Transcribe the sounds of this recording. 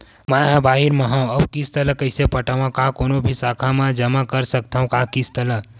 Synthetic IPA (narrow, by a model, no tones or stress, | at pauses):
maɦə̃baɦiɾməɦãwəbkist̪ələkəɪsepəʈaʋãkakoːnobʱisakʰamãd͡ʒəmakəɾsək̚t̪ʰaɦũkakist̪ələ